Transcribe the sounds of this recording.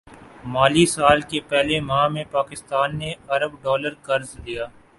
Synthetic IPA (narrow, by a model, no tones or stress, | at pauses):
maːlisaːlkepɛɦlemãːmẽpaːkɪst̪aːnːeɐɾəbɖɔːləɾkɐɾzd̪ijaː